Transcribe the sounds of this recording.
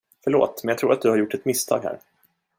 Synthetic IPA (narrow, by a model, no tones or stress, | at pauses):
fœɭo̰ːt̪mɛnɑɡt̪ɾṵːɾat̪̚d̪ɵhaɾjʊʈːɛt̪mɪst̪ʰɑ̰ːɡhæ̰ːɾ